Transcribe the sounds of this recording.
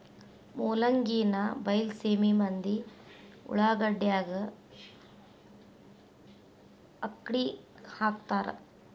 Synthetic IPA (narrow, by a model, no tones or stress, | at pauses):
moːlɐŋɡiːnɐbɐjlseːmimɐnd̪i | ṵɭaːɡɐɖjaːɡɐ | ɐkːɽihaːkt̪aːɾḛ